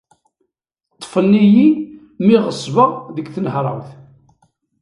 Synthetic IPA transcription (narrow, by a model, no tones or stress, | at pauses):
t̪ˤːfənːiji | miʁəsˤːvɑʁðəɡθənɦɾˤə̰wθ